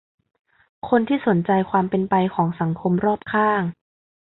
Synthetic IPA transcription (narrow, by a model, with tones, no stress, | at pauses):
kʰo˧nt̪ʰiː˥˩so˩˦nt͡ɕa˧jkʰwaː˧mpe˧npa˧jkʰɔː˩˦ŋsa˩˦ŋkʰo˧mɾɔː˥˩p̚kʰaː˥˩ŋ